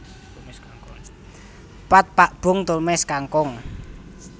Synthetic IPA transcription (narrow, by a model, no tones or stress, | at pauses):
pat̪̚paʔb̥ʊ̤ŋt̪olmɛskaŋkɔŋ